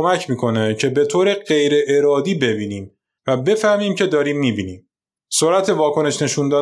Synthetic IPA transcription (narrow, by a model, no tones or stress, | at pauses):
omæcʰmiːkʰo̞ne̞cʰe̞be̞t̪ʰoːɾe̞ɢe̞jɾe̞ʔeɾɒːd̪iːbe̞biːniːm | væbe̞fæhmiːmcʰe̞d̪ɒːɾiːmːiːbiːniːm | soɾæt̪ʰe̞vɒːkʰo̞ne̞ʃne̞ʃund̪ɒː